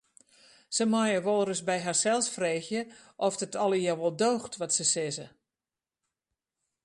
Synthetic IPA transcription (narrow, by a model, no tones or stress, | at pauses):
səmɔjəʋɔlˠrəsbɛjɦarsɛlˠsfreːxjəʔɔfdətʰɔlˠəjawʋɔlˠdoːxtʋɔtsəsɪzə